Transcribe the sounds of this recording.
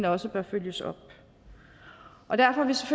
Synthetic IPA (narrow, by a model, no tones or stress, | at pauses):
nəɒ̽səb̥ɶɐføljəsɒ̽b̥̚ | ʔɒ̽d̥æɐfɒhæʋisefø